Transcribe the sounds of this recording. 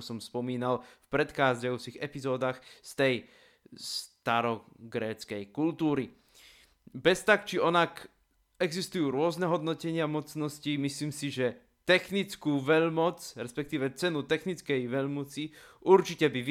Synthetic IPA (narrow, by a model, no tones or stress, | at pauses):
sɔmspɔmiːnalfpɾɛt̪xaːzɟajuːt͡siɣɛpizɔːd̪aːxst̪ɛj | st̪aɾɔɡɾɛːt͡skɛjkult̪uːɾi | bɛst̪akt͡ʃiɔnak | ɛɡzist̪ujuːɾʊɔznɛɦɔd̪nɔcɛɲɪamɔt͡snɔscimisliːmsiʒɛ | t̪ɛxnit͡skuːʋɛʎmɔt͡sɾɛspɛkt̪iːʋɛt͡sɛnut̪ɛxnit͡skɛjʋɛʎmɔt͡siuɾt͡ʃicɛbiʋ